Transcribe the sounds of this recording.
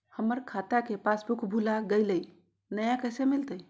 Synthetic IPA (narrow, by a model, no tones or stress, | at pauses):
həməɾkʰat̪akepasbukbʱulaɡəɪləj | nəjãkəjsemilt̪əj